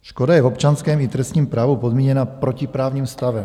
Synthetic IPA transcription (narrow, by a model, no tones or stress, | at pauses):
ʃkodajɛvopt͡ʃanskɛːmit̪ɾɛst̪ɲiːmpɾaːvupod̪miːɲɛnapɾocipɾaːvɲiːmst̪avɛm